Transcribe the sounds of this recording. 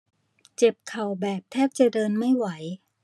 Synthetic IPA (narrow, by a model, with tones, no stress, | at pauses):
t͡ɕe˨˩p̚kʰa˨˩wbɛː˨˩p̚t̪ʰɛː˥˩p̚t͡ɕa˨˩dɤː˧nma˥˩jwa˩˦j